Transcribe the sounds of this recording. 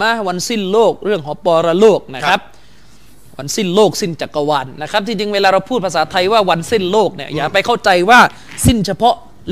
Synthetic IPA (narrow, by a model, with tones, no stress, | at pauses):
a˦˥wa˧nsi˥˩nloː˥˩k̚ɾɯ˥˩əŋɦɔː˩˦pɔː˧ɾa˧loː˥˩k̚na˦˥kkʰa˦˥p̚ | wa˧nsi˥˩nloː˥˩k̚si˥˩nt͡ɕa˨˩kːa˧waː˧nːa˦˥kʰa˦˥p̚t͡ɕʰi˧ŋt͡ɕi˧ŋweː˧laː˧ɾa˧wpʰuː˥˩t̪pʰa˧s̬aː˩˦t̪ʰa˧jwaː˥˩wa˧nsi˥˩nloː˥˩k̚ni˥˩əjaː˨˩pa˧jkʰa˥˩wt͡ɕa˧jwaː˥˩ | si˥˩nt͡ɕʰa˧pʰɔ˦˥ʔ | l